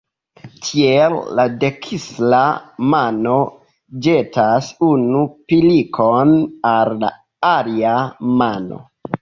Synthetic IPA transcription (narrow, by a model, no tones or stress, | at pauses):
tʰielːade̞kʰislamano̞ | d͡ʒe̞tasunupilikʰonalːa̰ | aliamano̞̰